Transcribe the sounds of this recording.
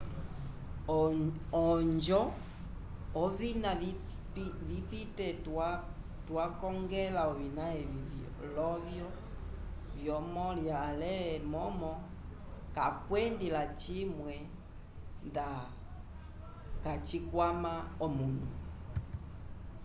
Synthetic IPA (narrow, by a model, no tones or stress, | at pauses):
ɔɲd͡ʒɔ | ɔvina | vipitɛt | twakɔŋɡɛlaɔvinaɛviv | lɔvjɔ | vjɔmɔljalɛmɔmɔ | kakwɛndilat͡ʃimwɛ | nda | kat͡ʃikwamaɔmunu